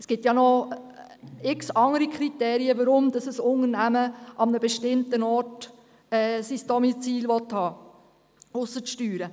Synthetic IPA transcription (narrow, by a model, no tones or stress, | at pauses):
ɛsɡ̥ɪtjɑnɔ | ɪksɑŋəɾikʰɾiteːɾiəʋəɾʊmd̥̪ɑsəsʊnənæməʔɑmnəbɛʃtɪmt̪ənɔːt | ɛːsisd̥ɔmit͡siːlʋɔthɑː | ʊsəʃtyːɾə